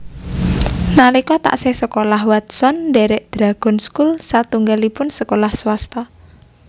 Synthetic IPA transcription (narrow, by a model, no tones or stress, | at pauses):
nalikɔt̪a̰ʔsɪhsəkolahwat̪sɔndɛɾɛʔd̪̥ɾa̤ɡ̥ɔ̤nskulsat̪uŋɡalipʊnsəkolahswast̪a